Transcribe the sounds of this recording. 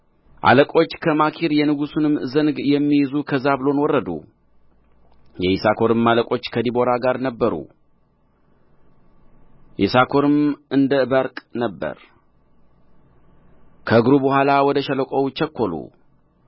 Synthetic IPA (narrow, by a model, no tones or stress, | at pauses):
ʔa̰ləkʼo̞t͡ʃːkʰəmakʰiɾjɛnɨɡusunɨmzənɡjɛmːijɪzukʰəzaβɨlo̞nwɔrːəd̪ṵ | jɛisakʰo̞ɾɨmːaləkʼo̞t͡ʃːkʰəd̪ibo̞ɾaɡaɾnəbːəɾṵ | ʔḭsakʰo̞ɾɨmɨnd̪əbəɾkʼnəbːə̰ɾ | kʰəɡɾubəhʷalawɔd̪əʃɛləkʷʼowt͡ʃʰɛkʰːo̞lṵ